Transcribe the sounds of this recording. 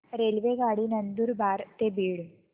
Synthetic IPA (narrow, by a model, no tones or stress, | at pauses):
ɾelʋeɡaɽiːnənd̪uːɾbaɾt̪ebiːɽ